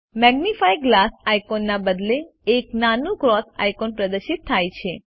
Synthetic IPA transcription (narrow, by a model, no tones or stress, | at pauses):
mɛɡnifajɡlasajkonːabəd̪leː | knanũkɾɔsa̰jkonpɾəd̪əɾʃit̪ʰːajt͡ʃʰe